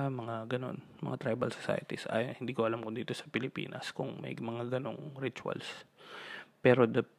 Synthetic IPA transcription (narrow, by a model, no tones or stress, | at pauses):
amɐŋaɡɐno̞̰n | mɐ̰ŋat̪ɾajbɐlsosa̰jɐt̪isʔa̰jhɪnd̪iːkoʔɐlamkod̪iːt̪o̞sɐ̥pɪlɪpḭːnɐ̰skʊŋmɐ̰jmɐŋaɡɐno̞̰ŋɾit͡ʃʊɐ̰ls | pɛːɾo̞d̪ɐ